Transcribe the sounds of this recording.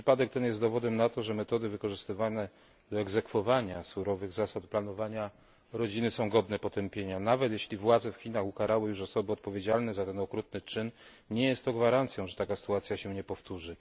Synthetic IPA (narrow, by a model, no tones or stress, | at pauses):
ʂɘpad̪ɛk̚t̪ɛnjɛst̪d̪ɔvɔd̪ɛmnat̪ɔʐɛmɛt̪ɔd̪ɘvɘkɔʐɘst̪ɘvanɛ | d̪ɔɛɡzɛkfɔvaɲasuɾɔvɘɣzasat̪̚planɔvaɲa | ɾɔd͡ʑinɘsɔ̃w̃ɡɔd̪nɛpɔt̪ɛmpʲjeɲanavɛt̪jeɕlʲivwad̪zɛfxʲinaxukaɾawɘjuʂɔsɔbɘɔt̪̚pɔvʲed͡ʑalnɛzat̪ɛnɔkɾut̪nɘt͡ʂɘn | ɲɛjɛst̪ːɔɡvaɾant̪sʲjɔ̃w̃ʐɛt̪akasɘ̥t̪uat̪sʲjaɕɛɲɛpɔft̪uʐɘ